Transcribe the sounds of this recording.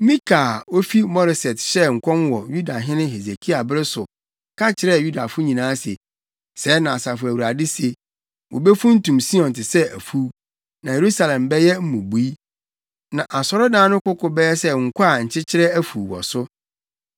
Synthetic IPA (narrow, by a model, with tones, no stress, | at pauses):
mĩ˦kʰaː˨o˦fi˦mɔ˦ɾɪ˨sɛ˨tɕɛ˦ŋ̩˨kʰɔ̃˦mwɔ˨ju˦da˨ɦɪ̃˦nɪ̃˦ɦe˨se˨kʰi˦a˨bɪ˦ɾɪ˦sʊ˨ | kʰa˦t͡ɕʰɪ˨ɾɛ˦ju˦da˨fʊ˦ɲĩ˨nãː˨˦se˨ | sɛː˨˦nã˨sa˨fʊ˨æ˨wu˨ɾa˨dɪ˦se˨ | wɔ̰˨bɛ˦fũ˦n̩˦tũ˨msi˦ɔ̃˨ntɪ˨sɛ˦æ̰˨fu˦ | nã˨je˨ɾu˦sa˨lɛ̃˨mbɛ˦jɛ˦m̩˦mũ˨bu˨i˦ | nã˨ʔa˨sɔ˨ɾɔ˦dãː˦nʊ̃˦kʊ˦kʰʊ˨bɛ˦jɛ˦sɛ˦ŋ̩˨kʰʊ˦a˨ɲ̩˨t͡ɕʰɪ˦t͡ɕʰɪ˦ɾɛ˦æ˦fuː˨wɔ̰˨sʊ˦